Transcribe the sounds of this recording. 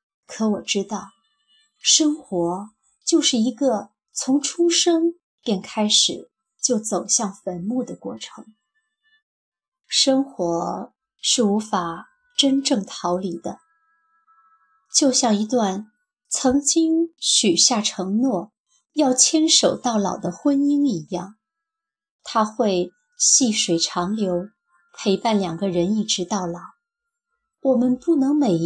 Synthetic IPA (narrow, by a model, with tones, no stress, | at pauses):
kʰɤ˧˥wɔ˨˩ʈ͡ʂɻ̩˥t̪ɑ˥˩ʊ | ʂɤ˥ŋxwɔ˧˥ | t͡ɕjo˥˧ʊʂɻ̩˥˩i˧˥ɡə˥˧ | t͡sʰʊ˧˥ŋʈ͡ʂʰʊu˥ŋʂɤ˥ŋ | pjɛ˥˩nkʰa˥ɪʂɻ̩˨˩˦ | t͡ɕjo˥˩ʊt͡so˨˩ʊɕjɑ˥˩ŋfə˧˥nmu˥˩d̪ə˩kwɔ̰˥˩ʈ͡ʂʰɤ˧˥ŋ | ʂɤ˥ŋxwɔ˧˥ | ʂɻ̩˥˩u˧˥fa˨˩ | ʈ͡ʂə˥nʈ͡ʂɤ˥˩ŋt̪ʰɑ˧˥ʊli˧˩d̪ə˦ | t͡ɕjo˥˧ʊɕjɑ˥˩ŋi˧˥t̪wa˥˩n | t͡sʰɤ˧˥ŋt͡ɕi˥ŋɕy˨˩ɕja˥˩ʈ͡ʂʰɤ˧˥ŋnwɔ˥˩ | jɑ˥˩ʊt͡ɕʰjɛ˥nʂo˨˩ʊt̪ɑ˥˩ʊlɑ˨˩ʊd̪ə˦xwə˥ni˥ŋi˧˥jɑ˥˩ŋ | t̪ʰa˥xwe˥˧ɪ | ɕi˥˩ʂwe˨˩ɪʈ͡ʂʰɑ˧˥ŋljo˧˥ʊ | pʰe˧˥ɪpa˥˩nljɑ˨˩ŋɡə˦ɻə˧˥ni˥˩ʈ͡ʂɻ̩˧˥t̪ɑ˥˩ʊlɑ˨˩˦ʊ | wɔ˨˩mə˦npu˥˩nɤ˧˥ŋme˨˩